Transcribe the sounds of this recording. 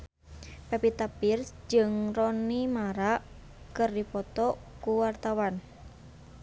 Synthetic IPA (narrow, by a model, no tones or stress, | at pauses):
pɛpit̪apɪrsd͡ʒəŋrɔnimaɾaʔ | kərdipɔt̪ɔ | kuwart̪awan